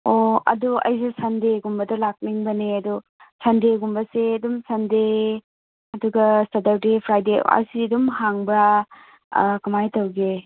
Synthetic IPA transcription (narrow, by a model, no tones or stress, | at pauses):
oɐ̰duɐ̰js̬esɐndeɡumbɐdɐlak̚niŋbɐneɐdu | sɐndeɡumbɐsedumsɐnde | ɐduɡɐstɐdɐɾdepʰɾajdḛa̰jsidumhaŋbɐ | kɐmajtɐwɡe